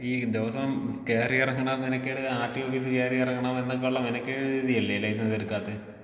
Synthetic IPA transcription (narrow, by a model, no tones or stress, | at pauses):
iːd̪eʋɐsɐmkeːrijɐrɐŋːɐɳaːmenɐkʲːeɽɨaːʈːioːfiːs̬ɨkeːrijɐɐrɐŋːɐɳaːmenːɐk̬ːeuɭːɐmenɐkʲːeːɽɾiːðijɐlːelːɐjsɐnɐðeɾukːaːt̪ːe